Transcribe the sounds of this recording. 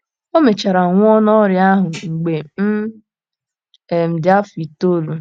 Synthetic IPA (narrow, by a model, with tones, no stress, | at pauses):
o˦me˨t͡ʃa˨ɾa˨ŋʷ˦ɔ˦nɔ˦ɾɪ˦a˦ɦʊ˨ŋ͡m̩˨ɡ͡be˨m̩˦ | e˨m̩˨dɪ˦a˦fi˨to˦lu˨